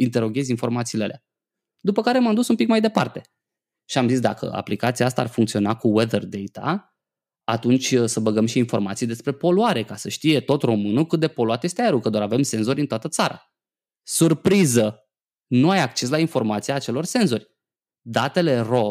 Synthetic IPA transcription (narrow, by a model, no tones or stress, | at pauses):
int̪e̞ɾo̞ɡʲe̞zinfo̞rmat̪siːlealea | d̪upəkaɾe̞mamd̪usumpikmajd̪e̞pa̰rt̪e̞ | ʃiamzis̬d̪akə̰a̰plikat̪siaast̪aːrfuŋkt̪sio̞nakuwed̪erd̪e̞jt̪a̰ | at̪unt͡ʃʲsəbəɡəmʃiːnfo̞rmat̪sijd̪espɾe̞po̞luaɾe̞kasəʃt̪ije̞t̪o̞t̪ro̞mɨnukɨt̪̚d̪e̞po̞luat̪je̞st̪eajeɾukəd̪oaɾave̞mse̞nzo̞ɾʲint̪oat̪ət̪saɾa̰ | surpɾizə | nuajak̚t͡ʃe̞s̬lainfo̞rmat̪siaːt͡ʃe̞lo̞rse̞nzo̞rʲ | d̪at̪e̞le̞ro̞